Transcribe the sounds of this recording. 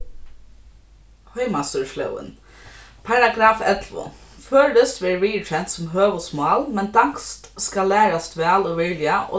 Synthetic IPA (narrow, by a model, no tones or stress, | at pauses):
hœʏmɑst̪əɹʃlœ̰ʊə̰n | pʰɑɹɑɡɾɑːfɛt̪ʰlʋʊ̰ | føːɖ̪əst̪ʋeːɹiːtʰɛnt̪sɔmɦøːʋɔsmʊɑːlmɛnd̪ɑŋkst̪skɑlæːɹɑst̪ʋæːloːʋɪlɪəʔo̰ː